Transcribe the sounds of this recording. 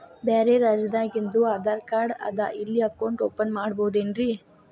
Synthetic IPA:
beːɾeɾaːd͡ʒɐd̪aːɡind̪uaːd̪aːɾkaːɾɖɐ̰d̪a̰ʔilːiɐkɐwɳʈoːpɐnmaːɽbowd̪eːnɾi

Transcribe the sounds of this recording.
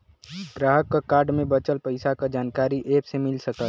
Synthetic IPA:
ɡɾaːɦəkːaaːɾɖmẽbət͡ʃəlpəɪsakad͡ʒaːnkaːɾiʔeːpsemɪlsəkəl

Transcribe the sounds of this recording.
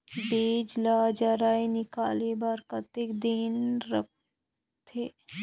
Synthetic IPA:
beːd͡ʒlaːd͡ʒaɾaːinɪkaːlebaɾkɐt̪ɪkd̪inɾək̚ | t̪ʰeː

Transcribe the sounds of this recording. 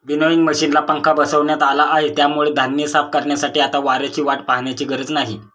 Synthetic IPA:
ʋinoiŋɡməɕiːnlapəŋkʰabəsəʋɳjat̪alaʔːɦet̪jamuɭed̪ʱanjəsafkəɾɳjasaʈiːat̪aʋaɾjat͡ɕiːʋaʈpaɦɳjat͡ɕiːɡəɾəd͡znaɦi

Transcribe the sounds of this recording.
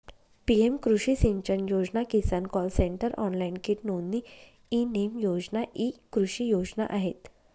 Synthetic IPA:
piemkɾuɕisiɲt͡ɕənjod͡znakisankɔlseɳʈəɾʔɔnlainkiʈnonːi | inemjod͡znaʔikɾuɕijod͡zna̰ʔaɦet̪

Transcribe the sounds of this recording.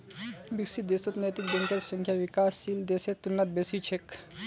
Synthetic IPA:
biksit̪̚d̪esot̪nɐjt̪ik̚beŋkɐɾsəŋkʰjaʋikaːsːild̪eset̪unːɐt̪̚besit͡ʃʰek

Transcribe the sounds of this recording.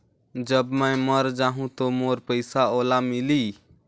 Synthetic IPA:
d͡ʒəbmə̃ːməɾd͡ʒaːɦũt̪omoːɾpəɪsaoːlamɪliː

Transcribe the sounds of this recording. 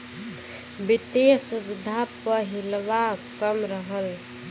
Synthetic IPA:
bit̪esubɪd̪ʱːapəɦilʋakəmɾəɦəl

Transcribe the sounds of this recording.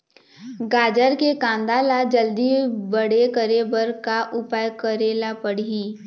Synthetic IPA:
ɡaːd͡ʒəɾkekãːnd̪aːlad͡ʒəld̪ibəɽekəɾebəɾkaʔʊpajkəɾeːlapəɽ̤iiː

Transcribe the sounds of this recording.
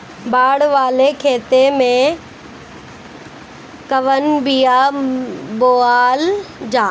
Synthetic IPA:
baːɽʋaːlekʰeːt̪emẽ | kɐʋənbijaː | boːaːld͡ʑaː

